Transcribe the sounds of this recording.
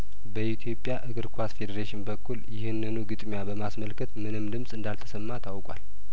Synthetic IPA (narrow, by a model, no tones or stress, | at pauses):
bəʔit̪ʰjo̞pʼːjaʔɨɡɨɾkʰwasfe̞d̪əɾeʃɪnbəkʰːuljɪhɨnːɨnuɡɨt̪ʼmjabəmasməlkʰət̪mɨnɨmd̪ɨmsʼɨnd̪alt̪ʰə̥səmːat̪ʰawkʼwa̰l